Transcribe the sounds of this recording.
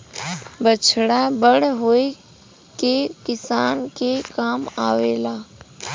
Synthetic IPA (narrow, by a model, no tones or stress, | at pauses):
bət͡ʃʰɽabəɽɦoːe | kekɪsaːnkeːkaːmaːʋeːlaː